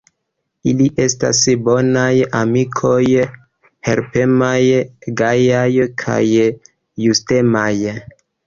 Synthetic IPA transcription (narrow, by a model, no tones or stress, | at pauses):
iliʔe̞sta̰sbo̞najamikʰo̞j | he̞̰ɾpe̞majɡajajkʰa̰jː | uste̞maj